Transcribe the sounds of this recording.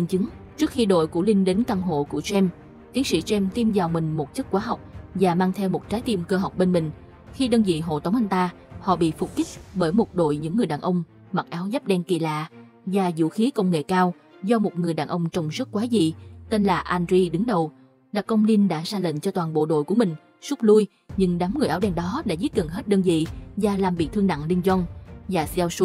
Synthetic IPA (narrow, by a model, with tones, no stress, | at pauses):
ŋt͡ɕɨ˨˦ŋt͡ɕɨ˦˥ək̚xi˧ɗo̰˧˨jku˧˩li˧nɗe˨˦nt̪a˧ŋɦo̰˧˨ku˧˩ət͡ɕɛ˧m | t̪i˨˦əŋsḭ˧˥t͡ɕɛ˧mt̪ʰi˧mzaː˨˩wmï˨˩ŋ̟mo˨˩t̚t͡ɕə˦˥t̚kwaː˨˦ɦa˨˩wk͡p̚vaː˨˩maː˧ŋt̪ʰɛ˧wmo˨˩t̚t͡ɕaː˨˦jt̪i˧mkəː˧ɦwk͡p̚ɓe˧nmï˨˩ŋ̟ | xi˧ɗəː˧nzḭ˧˨ɦo̰˧˨t̪ə˨˦wŋ͡mʔa˧jŋ̟t̪aː˧ | hɔ̰˧˨ɓḭ˧˨fu˨˩k͡p̚ki˦˥k̟̚ɓəː˧˩jmo˨˩t̚ɗo̰˧˨jɲɨ̰˧˥ŋːɨ˨˩əjɗaː˨˩nʔə˧wŋ͡m | ma˨˩t̚ʔaː˨˦wza˦˥p̚ɗɛ˧nki˨˩la̰ː˧˨ | vaː˨˩zṵ˧˥xi˨˦kə˧wŋ͡mŋḛ˧˨kaː˧w | zɔ˧mo˨˩t̚ŋɨ˨˩əjɗaː˨˩nʔə˧wŋ͡mt͡ɕɔ˧wŋ͡mzə˦˥t̚kwaː˨˦zi˨t̪e˧nlaː˨˩ʔa˧nzi˧ɗɨ˨˦ŋɗə˨˩w | laː˨˩kə˧wŋ͡mni˧nɗa̰ː˧˥zaː˧lə̰˧˨ŋt͡ɕɔ˧t̪waː˨˩nɓo̰˧˨ɗo̰˧˨jku˧˩əmï˨˩ŋ̟ | su˦˥k͡p̚lu˧j | ɲɨ̰˧ŋɗa˨˦mŋɨ˨˩əjʔaː˨˦wɗɛ˧nɗɔ˨˦ɗa̰ː˧˥zi˦˥t̚ɣə˨˩nɦe˦˥t̚ɗəː˧nzḭ˧˨vaː˨˩laː˨˩mɓḭ˧˨t̪ʰɨ˧əŋna̰˧˨ŋli˧nzɔ˧nvaː˨˩sɛ˧wsu˨˦˥